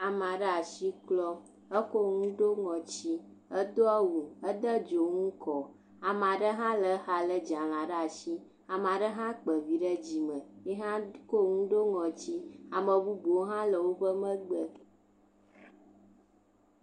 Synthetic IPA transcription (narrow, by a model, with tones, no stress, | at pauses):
a˨m˨a˨ɖə˦a˨ʃi˦klɔ˦ | ə˦ko˦ŋũ˦ɖo˦ŋɔ̃˨t͡ɕi˦ | ə˦d̪o˦a˦wu˨ə˦d̪ə˦d͡ʒo˨ŋũ˦kɔ˨ | a˨m˨a˨ɖə˦ɦã˦lə˨˦xa˨lə˦d͡ʒã˨lã˨ɖə˦a˨ʃi˦ | a˨m˨a˨ɖə˦ɦã˦k͡pə˨vi˨ɖə˦d͡ʑi˨mə̃˨jɛ˦ɦã˦ko˦ŋũ˦ɖo˦ŋɔ̃˨t͡ɕi˦a˨mə˨bu˦bo˨wo˦ɦã˦lə˨wo˦ɸə˦mə̃˦ɡ͡bə˦